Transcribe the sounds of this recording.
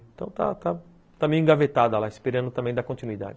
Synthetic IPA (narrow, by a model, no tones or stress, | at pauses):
t̪ɐ̰̃w̃t̪a̰t̪a | t̪ɐ̃mẽj̃ĩɡavet̪ad̪ɐlaispeɾɐ̃nd̪ʊt̪ɐ̃mbẽj̃d̪akõt͡ʃinuid̪a̰d͡ʒɪ